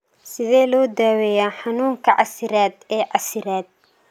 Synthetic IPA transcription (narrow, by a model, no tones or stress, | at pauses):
sɪðɛːlɔːd̪aːwɛjaːħɑnuːŋkʰɐʕʔɑ̰sɪɾaːd̪ɛːʕɑsɪɾaːd̪̚